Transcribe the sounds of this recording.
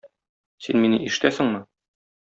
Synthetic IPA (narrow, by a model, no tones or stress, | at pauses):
sinminɘʔiʃɘ̆t̪æsɘ̆ŋmɤ